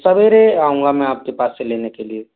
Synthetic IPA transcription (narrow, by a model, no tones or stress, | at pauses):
səbeɾeaːɦũŋɡamɛ̃aːp̚kepaːselenekelie